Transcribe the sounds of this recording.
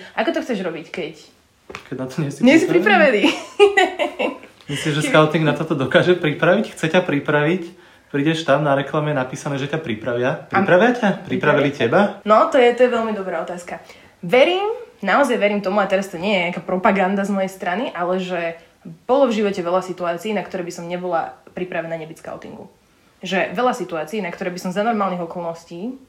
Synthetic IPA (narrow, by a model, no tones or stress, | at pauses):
ʔakɔt̪ɔxt͡sɛʒɾɔbickɛc | kɛɟnat̪ɔɲɛsiɲɛssipɾipɾaʋini | mislimʒɛskaʊt̪iŋɡnat̪ɔt̪ɔd̪ɔkaːʒɛpɾipɾaʋicxt͡sɛcapɾipɾaʋic | pɾiːɟɛʃt̪amnaɾɛklamɛjɛnapiːsanɛːʒɛcapɾipɾaʋɪapɾipɾaʋɪacapɾipɾaʋilicɛbanɔt̪ɔjɛt̪ɔjɛʋɛlmid̪ɔbɾaːɔt̪aːska | ʋɛɾiːmnaɔzajʋɛɾiːmt̪ɔmuat̪ɛɾast̪ɔɲɪɛjɛɲakaːpɾɔpaɡand̪azmɔjɛjst̪ɾaniʔalɛʒɛ | b̥ɔlɔvʒiʋɔcɛʋɛlʎasit̪uaːt͡siːnakt̪ɔɾɛːbisɔmɲɛbɔlapɾipɾaʋɛnaɲɛbit͡ska̰ʊt̪ḭŋɡṵ | ʒɛʋɛʎasit̪uaːt͡siːnakt̪ɔɾɛːbisɔmzanɔɾmaːlniɣɔkɔlˠnɔsciː